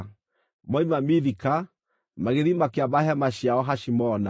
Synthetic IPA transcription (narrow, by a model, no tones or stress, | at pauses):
mɔimamiðika | maɣeðimakeaβbahɛmaʃiaɔɦaʃimɔna